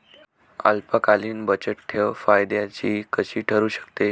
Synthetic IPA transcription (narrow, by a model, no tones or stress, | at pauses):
a̰lpakaliːnbət͡ɕəʈ̚ʈ̪ʰeʋfajd̪jat͡ɕiːkəɕiːʈʰəɾuːɕə̥kt̪e